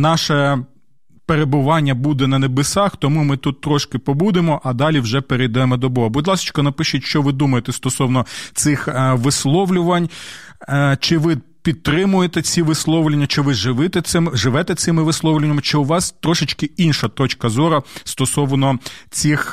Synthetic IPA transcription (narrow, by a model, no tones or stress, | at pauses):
nɑʃɛ | peɾebʊʋɑnʲːɐbud̪ɛnɐnebesɑxt̪ɔmumɪt̪ut̪ːɾɔʃkɪpɔbud̪emɔʔɐd̪ɑlʲiwʒɛpeɾejd̪ɛmɔd̪ɔbɔɦɔbʊd̪ʲlˠɑsɪ̥t͡ʃkɔnɐpɪʃʊtʲʃt͡ʃɔʋɪd̪umɐjet̪ɛst̪ɔsɔwnɔt̪sɪxʋɪslˠɔʋlʲʊʋɐnʲ | t͡ʃɪʋɪ | pʲid̪̚t̪ɾɪmʊjet̪ɛt͡sʲiʋɪslˠɔʋlʲenʲːɐt͡ʃɪʋɪʒɪʋɪt̪ɛɪmʒɪʋɛt̪ɛt̪sɪmɪʋɪslˠɔʋlʲenʲːɐmt͡ʃɪʊʋɑst̪ɾɔʃɪt͡ʃkɪinʃɐt̪ɔt͡ʃkɐzɔɾɐst̪ɔsɔʋnɔt͡sʲix